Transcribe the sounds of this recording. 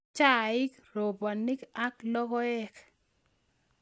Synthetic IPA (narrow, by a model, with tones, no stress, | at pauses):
t͡ʃa˦˨ɪ˦kɾo˨ba˨ni˦ka˦klɔ˦kɔ˦ɛ˦k